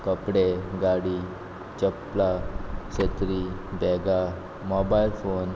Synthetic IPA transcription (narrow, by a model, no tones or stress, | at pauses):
kəpɽeɡaɽi | t͡ɕəplaset̪ɾibɛɡa | mɔbailfon